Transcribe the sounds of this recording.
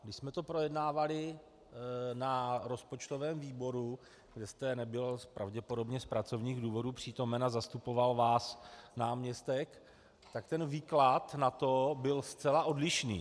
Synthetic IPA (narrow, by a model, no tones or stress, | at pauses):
ɡdɪʃsmɛt̪o̞pɾo̞jɛdnaːvalɪ | naɾo̞spo̞t͡ʃt̪o̞vɛːmviːbo̞ɾu | ɡdɛst̪ɛnɛbɪlpɾʔavɟɛpo̞do̞bɲɛspɾat͡so̞vɲiːɣduːvo̞dupr̝̥iːt̪o̞mɛnazast̪upo̞valvaːsnaːmɲɛst̪ɛk | t̪akt̪ɛnviːklat̪nat̪o̞bɪlst͡sɛlaʔo̞dlɪʃnḭː